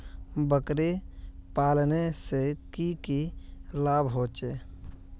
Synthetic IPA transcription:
bəkɾepaːlnesekikilaːbɦoːt͡ʃe

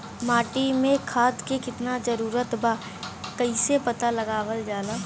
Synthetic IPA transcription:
maːʈimẽkʰaːd̪kekɪt̪nad͡ʒɐɾuːɾət̪bʱaː | kɐɪsepɐt̪alɐɡaːwəld͡ʒaːlaː

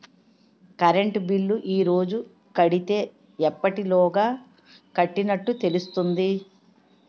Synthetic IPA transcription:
kɐɾeɳʈbilːuʔiːɾo̞ːd͡ʒu | kɐɽit̪e̞ː | ɛpːɐʈilɔːɡaː | kɐʈːinɐʈːut̪e̞lust̪und̪i

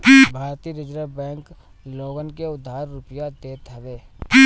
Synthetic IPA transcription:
bʱaːɾt̪iːɾɪd͡ʒɾəbɛ̃ːŋk | loːɡənkeʊd̪ʱːaːɾːʊpjad̪eːt̪ʰəʋeː

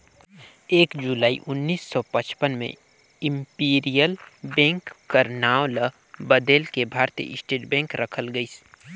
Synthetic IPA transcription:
eːkd͡ʒulaːḭʔʊnːiːsːɔpət͡ʃpənmḛ̃ | ɪ̃mpiːɾijəlbɛ̃ːŋkːəɾnaːwlə | bəd̪eːlkebʱaːɾt̪ijə̰ɪsʈeːʈbɛ̃ːŋkɾəkʰəlɡəis

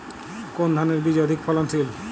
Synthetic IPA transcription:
kond̪ʱaneɾbid͡ʑɔjod̪ʱikfʰɔlonsil

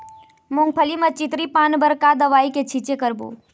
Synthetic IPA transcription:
mʊ̃ŋɡ̚pʰəlimət͡ʃɪt̪ɾipaːnbəɾkad̪ɐʋaːiket͡ʃʰit͡ʃekəɾbṵː

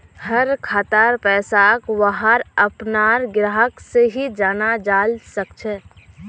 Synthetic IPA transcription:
həɾkʰaːt̪aːɾpɛːsakʋaɦaɾəpnaːɾɡɾaːɦəkseɦid͡ʒaːnad͡ʒaːlsəkt͡ʃʰɛ

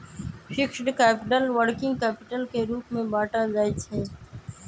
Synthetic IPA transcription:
ʃɪkʃʈkɛːpɪʈəlwəɽkɪ̃ŋɡkɛːpɪʈəlkeɾuːpmẽbaːʈazaːit͡ʃʰeː

